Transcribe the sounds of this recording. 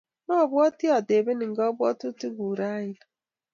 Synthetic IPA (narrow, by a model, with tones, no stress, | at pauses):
nɔ˦˨bwɔ˦tɪ˦ɔ˨de˨be˦ni˨ŋ̩˨ɡɔ˦bʊ˦ɔ˦tʊ˦tu˦ɡu˨ɾa˦ja˦